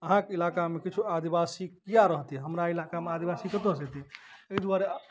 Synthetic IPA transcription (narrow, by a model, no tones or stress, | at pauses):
əɦãkeilakamekit͡ʃʰuad̪ibasikijaɾəɦt̪iɦɛɦəmɾailakamead̪ibasikət̪oset̪ieid̪uaɾe